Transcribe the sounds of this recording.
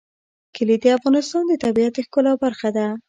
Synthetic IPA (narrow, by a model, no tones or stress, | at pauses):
kəlid̪əafɣɑnɪst̪ɑnd̪ət̪abiat̪xkəlawbaɾxad̪a